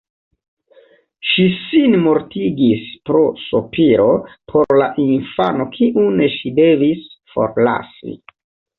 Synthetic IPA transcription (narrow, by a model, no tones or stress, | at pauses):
ʃisinmo̞ɾtiɡispɾo̞sopiɾo̞pʰo̞ɾlaʔinfa̰no̞kʰiʔuneʃide̞visfo̞̰ɾla̰sḭ